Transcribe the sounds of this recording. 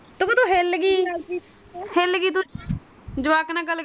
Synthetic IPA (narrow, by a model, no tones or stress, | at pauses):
t̪ʊkːt̪uːɦelɡiː | helɡiːt̪ʊ | d͡ʒʊʋaːknãːɡəl